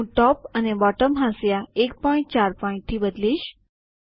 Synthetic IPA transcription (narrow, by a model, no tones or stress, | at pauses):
ũʈɔpənebɔʈəmɦãsjaek̚pɔĩɳʈ̚t͡ɕaɾpɔĩɳʈ̚t̪ʰiːbəd̪liːɕ